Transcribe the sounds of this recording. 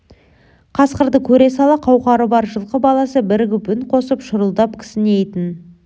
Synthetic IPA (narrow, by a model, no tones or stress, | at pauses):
qʰɑsqəɾd̪əkʲʰɵɾe̞sɑlˠɑqʰɑwqɑɾəbɑɾʒəlˠqəbɑlˠɑsəbɪɾɡʲɪbʏnqʰo̞səpʃʊɾəlˠd̪ɑpkʲʰɪ̥sɪnejt̪ɪn